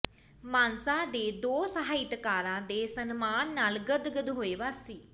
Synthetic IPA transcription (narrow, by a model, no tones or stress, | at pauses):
maːnsãːd̪eːd̪oːsəɦaːit̪kaːɾãːd̪eːsənmaːnːaːlɡəd̪ɡəd̪ɦoːeːʋaːsːiː